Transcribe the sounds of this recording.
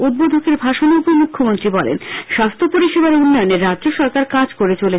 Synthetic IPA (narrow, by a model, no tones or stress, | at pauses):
ud̪̚bod̪ʱokeɾbʱaʃonupomukʰːomont̪ɾibɔlḛnʃast̪ʰopoɾiʃebaɾunːɔjoneɾːadd͡ʑoʃɔɾkaɾkad͡ʑkoɾet͡ɕole